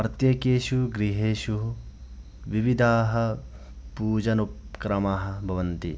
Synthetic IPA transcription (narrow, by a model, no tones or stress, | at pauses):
ɾɐt̪jɐkeːʃuɡɾiɦeːʃu | ʋiʋid̪ʱaːɦɐ̆ | puːd͡ʒɐnupkɾɐmaːɦɐ̆bʱɐʋɐnt̪i